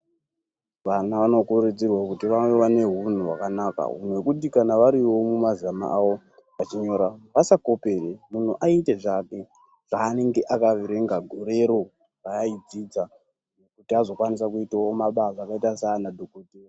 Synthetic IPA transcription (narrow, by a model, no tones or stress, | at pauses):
ʋanaʋano̞kured͡zirwakutiʋaweʋane̞ɦun̤uwa̰kanaka̰ɦṵn̤uwe̞kutikanaʋaɾiwo̞mumazama̰ʔawo̞ | ʋat͡ʃiɲo̞ɾaʋasako̞pe̞remun̤uʔaite̞ʐake̞ | ʐ̥aːne̞ŋɡe̞ʔakaʋiɾe̞ŋɡaɡʱoɾe̞ɾo̞ | pajaid͡zid͡za | ne̞kutiazo̞kwanis̬akuitawomaɓazakaitasanadʱokotiro